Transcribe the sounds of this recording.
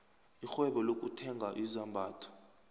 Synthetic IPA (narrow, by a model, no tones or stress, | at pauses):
ixwɛɓɔlok̬ʼutʰɛŋɡʱaʔizambʱaːtʰɔ̥